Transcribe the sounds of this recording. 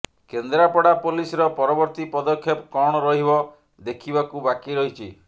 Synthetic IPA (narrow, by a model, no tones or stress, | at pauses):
kend̪ɾapɔɽapolisɔɾɔpɔɾɔbɔɾt̪ipɔd̪ɔkʰːjepɔkɔɽ̃ɔɾɔɦibɔ | d̪ekʰibakubakiɾɔɦit͡ʃʰi